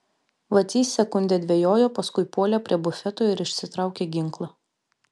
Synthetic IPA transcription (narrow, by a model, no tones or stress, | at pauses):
ʋɐt̪ʲiːsʲɛkʊnʲd̪ʲɛd̪ʲʋʲɛjoːjoːpɐskʊɪpoːlʲɛpʲɾʲiɛbʊfʲɛt̪oːɪɾɪʃʲsʲɪt̪ɾɑˑʊkʲeːɡʲɪŋklˠɐ